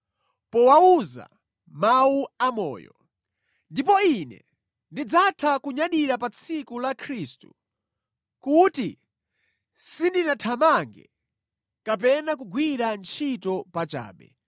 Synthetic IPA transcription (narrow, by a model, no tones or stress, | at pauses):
pɔwauza̰ | mauamɔ̰ːjɔ̰ | ndipɔinɛ̰ | ndid͡zatʰakuɲaɗiɾapat͡sʰikulakʰɾistu̥̰ | kuti | sindinatʰamaŋɡɛ̰ | kap̬ɛnakuɡwiɾant͡ʃʰitɔpat͡ʃa̰ːɓɛ̰